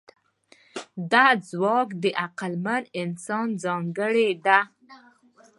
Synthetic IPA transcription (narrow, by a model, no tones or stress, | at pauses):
d̪ɑzwɑkd̪əʔaqalmanɪnsɑnzɑŋɡəɽed̪a